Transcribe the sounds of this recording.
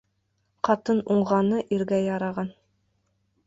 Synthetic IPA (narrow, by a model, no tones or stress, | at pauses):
qɑt̪ɤnuɴʁɑnɤʔiɾɡæjɑɾɑʁɑn